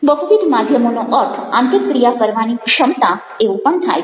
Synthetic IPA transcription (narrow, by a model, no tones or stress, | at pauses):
bəɦuʋid̪mad̪ʱjəmonoʔəɾʈʰãnt̪ikkɾijakəɾʋanikʃəmt̪ã | eʋũpəɳt̪ʰa̰j